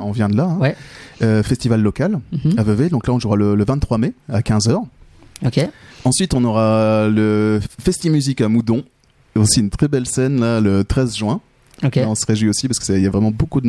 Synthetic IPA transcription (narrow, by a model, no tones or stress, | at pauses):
ɔ̃vjɛ̃d̪əlaɛ̃wɛøfɛst̪ivalːɔkalavəved̪ɔ̃klaɔ̃ʒuʁalələvɛ̃t̪t̪ːχwameakʲɛ̃zœːʁ | okeɑ̃sɥit̪ɔ̃nɔʁaləfɛst̪imyzikamud̪ɔ̃ | osiynt̪χɛbɛlsɛnlalət̪χɛzʒɥɛ̃ | kaɔ̃səʁeʒwiosipaʁskə̥sɛiljavʁɛmɑ̃bokud̪ə